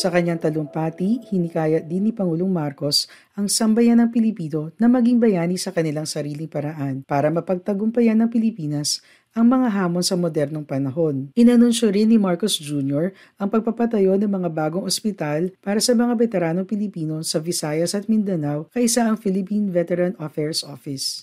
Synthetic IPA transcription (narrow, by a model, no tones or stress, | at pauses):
sɐkɐɲːaŋt̪ɐloŋpaːt̪ihɪnɪkaːjɐʔd̪ɪnːipɐŋuːloŋmaɾko̞s | ʔɐŋsɐmbɐjanɐŋpɪlɪpiːno̞nɐmɐɡiŋbɐjaːnisɐkɐnɪlaŋsɐɾiːlɪŋpɐɾɐʔanpaːɾɐmɐpɐɡ̚t̪ɐɡʊmpɐjanːɐŋpɪlɪpiːnɐs | ʔɐŋmɐŋaɦaːmo̞nsɐmod̪ɛɾno̞ŋpɐnɐɦo̞nʔɪnɐnunʃoɾɪnːɪmaɹkosd͡ʒuːnjoɹ | ʔɐŋpɐɡ̚pɐpɐt̪ɐjo̞nɐŋmɐŋabaːɡoŋʔospɪt̪alpaːɾɐsɐmɐŋavɛt̪ɛɾaːnoŋpɪlɪpiːno̞sɐvɪsaːjɐsɐt̪̚mɪnd̪ɐnawkɐʔɪsaʔɐŋfɪlɪpinvɛt̪ɛɾɐnʔofɛɹsʔofɪs